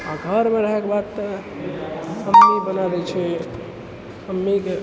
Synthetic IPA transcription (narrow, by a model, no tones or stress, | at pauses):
aɡʱəɾmeɾəɦɛkebad̪t̪ɔ | həmːibənad̪ɛt͡ʃʰɛ | həmːike